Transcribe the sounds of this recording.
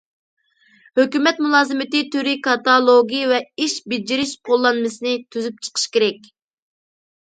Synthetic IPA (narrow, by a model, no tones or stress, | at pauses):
høkʲymɛt̪mulˠɑːzɨmɪt̪ɪt̪ʰyɾikɑt̪ɑlˠoɡʲijvɛiʃbɪd͡ʒiɾɪʃqʰolˠːɑnmɨsɨnɪt̪ʰyzyp̚t͡ʃʰə̥qʰə̥ʃkʲeɾɛk̚ʲ